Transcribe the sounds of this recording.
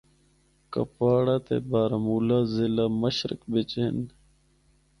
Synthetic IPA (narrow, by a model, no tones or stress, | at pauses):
kə̰paːɽaːt̪ḛːbaːɾmuːlaːzɪlaːməɕɾɪ̰kbɪt͡ɕɪn